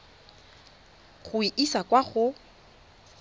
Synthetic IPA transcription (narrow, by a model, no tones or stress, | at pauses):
χʊiʔisakʼwaχʊ